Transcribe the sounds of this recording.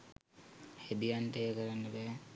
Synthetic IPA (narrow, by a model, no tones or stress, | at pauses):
hed̪ijanʈəjəkəɾanːəbæː